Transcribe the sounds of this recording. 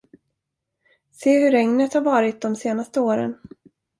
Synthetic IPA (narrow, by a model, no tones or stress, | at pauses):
seːɦɵɾɛŋnət̪haɾvɑːɾɪt̪̚d̪ɔmseːnast̪əoːɾə̰n